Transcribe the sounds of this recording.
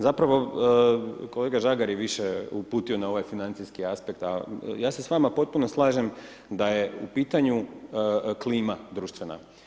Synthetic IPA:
zapɾaʋo̞ | ko̞le̞ːɡaʒaɡaɾjeʋiʃeupuːt̪io̞nao̞ʋajfinant̪iskiaspe̞k̚t̪a̰jaːse̞sʋamapo̞t̪̚puno̞slˠaːʒe̞m | d̪aje̞upiːt̪aɲu | kliːmad̪ɾuːʃt̪ʋe̞na̰

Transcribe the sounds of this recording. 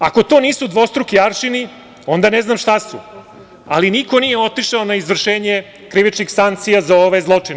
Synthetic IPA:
a̰ko̞t̪o̞niːsud̪ʋo̞st̪ɾukiaɾʃini | o̞nd̪aneznaːmʃt̪asṵ | aliniko̞nijeo̞t̪iʃaonaizʋr̩ʃeːɲe | kɾiʋit͡ʃnixsaŋkt̪sijazao̞ʋajzlˠo̞t͡ʂin

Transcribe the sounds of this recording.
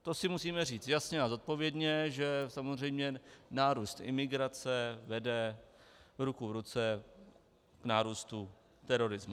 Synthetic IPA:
t̪osɪmusiːmɛriːt͡st̪jasɲɛazo̞t̪̚po̞vjɛdɲɛʒɛsamozr̝ɛjmɲɛnaːɾuːst̪ʔɪ̰mɪɡɾat͡sɛvɛdɛ | vɾukuvɾut͡sɛ | knaːɾuːst̪u | t̪ɛɾo̞ɾɪzmu

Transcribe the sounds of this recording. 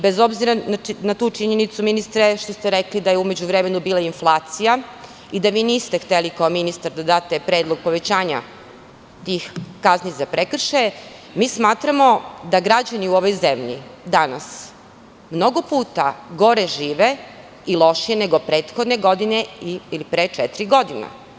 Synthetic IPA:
bezo̞bziɾananat̪uːt͡ʃiɲenit̪suminist̪ɾeʃt̪o̞st̪eɾeklid̪ajeume̞d͡ʑuʋɾemenubiːlˠainflˠaːt̪sija | id̪aʋiːniːst̪ext̪elikaominist̪aɾd̪ad̪aːt̪epɾeːd̪lˠoɡ̚po̞ʋe̞t͡ɕaːɲa̰ | t̪ixkaznizapɾekr̩ʃe | miːsmaːt̪ɾamo̞d̪aɡɾad͡ʑaniuo̞ʋo̞jzemʎḭd̪ana̰s | mno̞ɡopuːt̪aɡo̞ɾe̞ʒiːʋe̞ | ilˠo̞ʃijene̞ɡo̞pɾe̞ːt̪xod̪ne̞ɡo̞d̪ine̞iilipɾet͡ʂɛt̪iɾiɡo̞d̪ina̰

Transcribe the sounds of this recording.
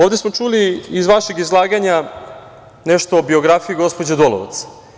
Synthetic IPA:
oːʋd̪e̞smo̞t͡ʃuliːzʋaʃeɡizlˠaːɡaɲa | neʃt̪oːbio̞ɡɾafijiɡo̞spod͡ʑed̪oloʋa̰t̪s

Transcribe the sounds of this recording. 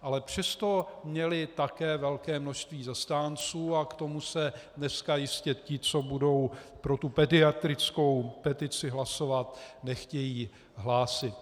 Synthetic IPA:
ʔalɛpr̝̥ɛst̪o̞mɲɛlɪt̪akɛːvɛlkɛːmnoʃst̪viːzast̪aːnt͡suːakt̪o̞musɛdnɛskajɪscɛcɪt͡so̞budo̞wpɾo̞t̪upɛdɪat̪ɾɪt͡sko̞wpɛt̪ɪt͡sɪɦlaso̞vat̪nɛxcɛjiː | ɦlaːsɪt̪

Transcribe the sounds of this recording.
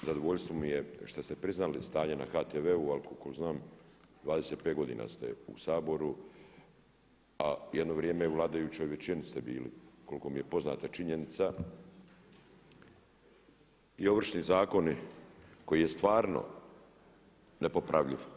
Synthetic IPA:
zad̪oʋo̞ʎst̪ʋomijeʃt̪ast̪e̞pɾiznalist̪aːɲena̰xaːt̪eʋeualikokoznaːm | d̪vʋaːd̪e̞set̪peːɡo̞d̪ḭːna̰st̪ḛṵsaːbo̞ɾu | ajed̪noʋɾjeːmeuʋlˠaːd̪ajut͡ɕo̞jʋet͡ɕinist̪ebḭːlḭuko̞liko̞mije̞po̞zna̰ːt̪at͡ʃiɲenit̪sa | io̞ʋr̩ʃnizaːko̞niko̞jije̞st̪ʋaːɾno̞̰ | nepo̞pɾaʋʎiʋ

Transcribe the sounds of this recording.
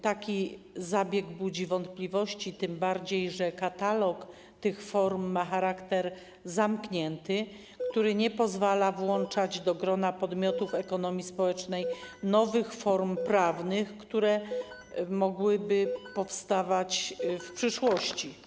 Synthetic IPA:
t̪akʲi | zabʲjɛɡbud͡ʑivɔnt̪plʲivɔɕt͡ɕit̪ɘmbaɾd͡ʑejʐɛkat̪alɔk | t̪ɘxfɔɾmːaxaɾakt̪ɛɾ | zamkɲɛnt̪ɘ | kt̪uɾɘɲɛpɔzvalavwɔnt͡ʂad͡ʑd̪ɔɡɾɔnapɔd̪mʲjɔt̪ufɛkɔnɔmʲjispɔwɛt͡ʂnɛjnɔvɘxfɔɾmpɾavnɘxkt̪uɾɛ | mɔɡwɘbɘpɔfst̪avat͡ɕfpʂɘʂwɔɕt͡ɕi

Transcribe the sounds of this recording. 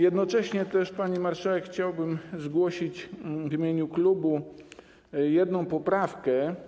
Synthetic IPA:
jɛd̪nɔt͡ʂɛɕɲɛt̪ɛʂpaɲimaɾʂawɛkxt͡ɕawbɘmzɡwɔɕit͡ɕvʲimʲjeɲuklubu | jɛd̪nɔ̃w̃pɔpɾafkɛ

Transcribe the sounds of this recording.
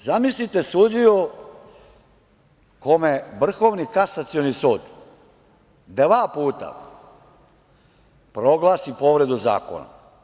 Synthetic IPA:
zamislit̪e̞suːd̪io | komeʋr̩xo̞ːʋnikasat̪sionisuːd̪ | d̪ʋaːpuːt̪a̰ | pɾo̞ɡlaːsipoʋɾe̞d̪uza̰ːko̰na̰

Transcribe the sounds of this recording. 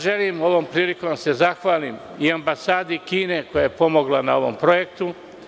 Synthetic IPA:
ʒelimo̞ʋo̞ːmpɾiːlikose̞zaxʋaːlim | iambasaːd̪ikiːne̞ko̞jajepo̞mo̞ɡlanao̞ʋo̰mpɾo̞je̞kt̪u

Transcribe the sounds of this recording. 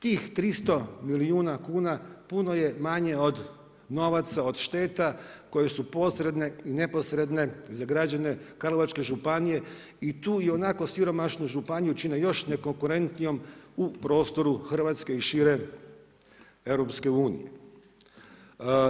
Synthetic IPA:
t̪iːxt̪ɾist̪o̞miliuːnakuːnapuno̞je̞maɲe̞o̞d̪ | no̞ʋat̪sao̞d̪ʃt̪e̞ːt̪ako̞je̞supo̞sɾe̞d̪ne̞ine̞po̞sɾe̞d̪ne̞zaɡɾad͡ʒane̞kalˠoʋat͡ʃke̞ʒupanije̞ | it̪uːio̞nako̞siɾo̞maʃnuʒupanijut͡ʃinejo̞ʃne̞ko̞ŋkuɾe̞nt̪nijo̞mupɾo̞ːst̪o̞ɾuxr̩ʋat̪ske̞iʃiːɾe̞ | eʋɾo̞pske̞uːnḭje

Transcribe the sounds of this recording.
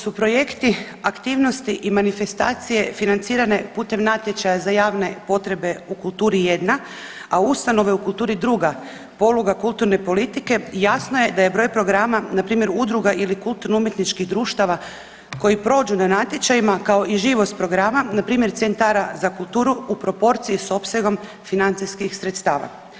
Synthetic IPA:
supɾo̞je̞kt̪i | akt̪iːʋno̞st̪iʔimanife̞st̪aːt̪sije̞finant̪siːɾane̞puːt̪e̞mnat̪jet͡ʃajazajaːʋne̞po̞t̪ɾe̞be̞ukulˠt̪uːɾije̞d̪na | aust̪ano̞ʋe̞ukult̪uːɾid̪ɾuɡa | po̞luɡakulˠt̪uɾne̞po̞lit̪ike̞jasnoje̞d̪aje̞bɾo̞jpɾo̞ɡɾamanapɾiːmje̞ɾud̪ɾuɡaʔilikulˠt̪uɾnuumje̞t̪nit͡ʃkiɣd̪ɾuːʃt̪aʋa | ko̞jipɾo̞ːd͡ʒunanat̪je̞t͡ʃajimakao̞iʒiːʋo̞st̪̚pɾo̞ɡɾamanapɾiːmje̞ɾt̪sent̪aɾazakulˠt̪uːɾuupɾo̞po̞ɾt̪siiso̞psje̞ɡo̞m | finant̪sijskixsɾet̪st̪aːʋa̰

